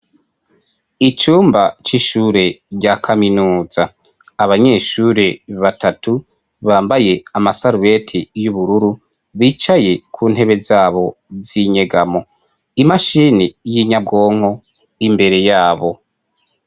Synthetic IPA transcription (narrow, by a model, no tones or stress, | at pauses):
it͡ʃuːmbat͡ʃiʃuːɾe̞ɟakʰaminuːzaː | βaɲe̞ːʃuːɾe̞βatatʰu | βaːmbaje̞amasaɾuβe̞tʰijuβuɾuɾu | βiːt͡ʃaje̞kʰuːn̥he̞βe̞zaːβo̞ziɲe̞ɡamo̞ | imaʃiːnijiɲab̚ɡo̞ːŋ̥ho̞ | imbe̞ɾe̞jaːβo̞